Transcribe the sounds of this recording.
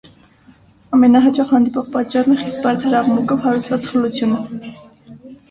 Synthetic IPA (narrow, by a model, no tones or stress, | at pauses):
ɑmɛnɑɦɑt͡ʃɑχhɑnd̪ipɔʁpɑt̪t͡ʃɑrnɛχist̪̚bɑɾt͡sʰəɾɑʁmukɔvhɑɾut͡sʰvɑt͡sχəlut͡sʰjunə